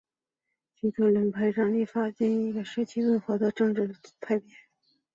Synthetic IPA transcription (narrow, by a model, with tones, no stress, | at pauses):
t͡ɕʰi˧˥ʈ͡ʂʊ˧˥˩ŋlə˧˥npʰa˥˩ɪʈ͡ʂɑ˥˩li˥˩fa˥t͡ɕjɛ˥˩n˧˥i˧˥ɡə˧ʂɻ̩˧˥t͡ɕʰi˧˥wə˥˩nxwɤ˧˥d̪ə˧ʈ͡ʂɤ˥˧ŋʈ͡ʂɻ̩˥˩t̪ʰa˥˩ɪpjɛ˧˥˦